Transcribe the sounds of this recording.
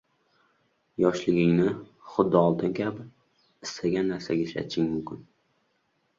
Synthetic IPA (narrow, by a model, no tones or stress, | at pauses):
jɒʃlɪɡʲɪŋnɪ | χʊd̪ːɪɒlˠt̪ʰɪnkʲʰabɪ | ɪst̪ʰaɡʲanːaɾsaɡʲaʃa̰t͡ʃʰɪŋmʊmkʲɪn